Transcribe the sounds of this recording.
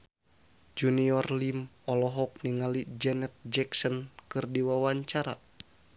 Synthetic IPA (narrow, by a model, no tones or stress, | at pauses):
d͡ʒuniɔrlimɔlɔɦɔk̚niŋalid͡ʒɛnɛt̪̚d͡ʒɛksɔnkɨrdiwawaɲt͡ʃaɾa̰